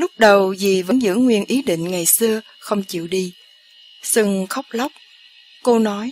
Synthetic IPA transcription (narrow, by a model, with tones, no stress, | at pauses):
lʊ˦˥k͡p̚ɗə˨˩wzi˨˩və̰˧˥nzɨ̰˧˥ŋŋwi˧ənʔi˨˦ɗḭ˧˨ŋ̟ŋa˨˩jsɨ˧ə | xə˧wŋ͡mt͡ɕḭ˧˨wɗi˧ | sɨ˧ŋxə˦˥wk͡p̚la˦˥wk͡p̚ | ko˧nɔ˨˦j